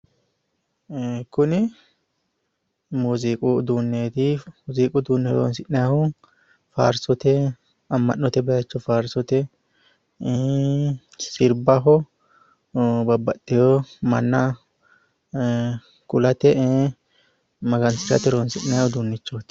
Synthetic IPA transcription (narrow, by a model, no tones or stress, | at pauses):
kʊnɪ | muːziːkʼʊd̪uːnːeːt̪ɪmʊziːkʼʊd̪uːnːeɾo̰ːnsɪʔnɛjahʊ | fa̰ːɾsɔt̪ɛ | ɐmːɐ̰nːɔt̪ɛbɐjɐt͡ʃːɔfaːɾsɔt̪ɛ | sɪɾbɐɦɔ | bɐbːɐt̪ːɪjomɐ̰nːɐ | kʼʊlɐt̪ɛ | mɐɡɐnsɪɾɐ̰t̪ɛɾoːnsɪʔnːɛjahʊd̪uːnːɪt͡ʃːoːt̪